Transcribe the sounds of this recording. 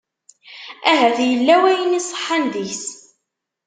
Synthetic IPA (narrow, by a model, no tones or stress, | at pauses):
æɦæθjəlːæwæjənisˤə̥ħːanðiçs